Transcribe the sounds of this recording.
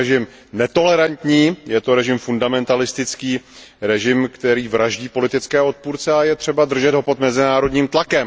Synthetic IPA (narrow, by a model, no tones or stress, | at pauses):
ɛʒɪm | nɛt̪o̞lɛɾant̪ɲiːjɛt̪o̞ɾɛʒɪmfundamɛnt̪alɪst̪ɪt͡skiːɾɛʒɪmkt̪ɛɾiːvɾaʒɟiːpo̞lɪt̪ɪt͡skɛːo̞t̪̚puːɾt͡sɛajɛt̪r̝̥ɛbad̪r̩ʒɛd̪ɦo̞po̞d̪mɛzɪnaːɾo̞d̪ɲiːmt̪lakɛm